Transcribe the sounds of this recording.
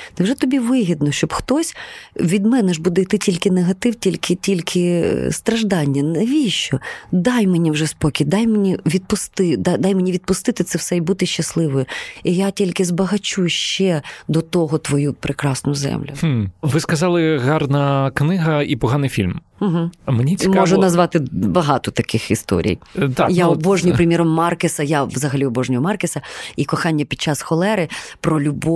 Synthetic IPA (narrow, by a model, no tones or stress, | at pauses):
t̪ɪwʒɛt̪ɔbʲiʋɪɦʲid̪nɔʃt͡ʃɔbxt̪ɔsʲʋʲid̪mɛnɛʒbud̪ɛjt̪ɪtʲilʲkɪneɦɐt̪ɪwtʲilʲkɪtʲilʲkʰɪst̪ɾɐʒd̪ɑnʲːɐneʋʲijʃt͡ʃɔd̪ɑjmenʲiwʒɛspɔkʲid̪ɑjmenʲiʋʲid̪̚pʊst̪ɪd̪ɑd̪ɑjmenʲiʋʲid̪̚pʊst̪ɪt̪ɪt̪sɛwsɛjbut̪ɪʃt͡ʃɐslˠɪʋɔjijatʲilʲkɪzbɐɦɐt͡ʃuʃt͡ʃɛd̪ɔt̪ɔɦɔt̪ʋɔjupɾʔɪkɾɑsnʊzɛ̰mlʲʊʋɪskɐzɑlˠɪɣɑrnɐknɪɦɐipɔɦɑnɪjfʲilʲm | m̩ɦ̩menʲit͡sʲmɔʒʊnɐzʋɑt̪ɪbɐɦɑt̪ɔt̪ɐkɪxḭst̪ɔ̰ɾʲḭjt̪ajaɔbɔʒnʲʊjpɾemʲjiɾɔmːɑrkesɐjaʋzɐɦɐlʲiɔbɔʒnʲʊɔmɑrkesɐikɔxɑnʲːɐpʲid̪̥̚t͡ʃɑsxɔlˠɛɾɪpɾɔlʲʊbɔ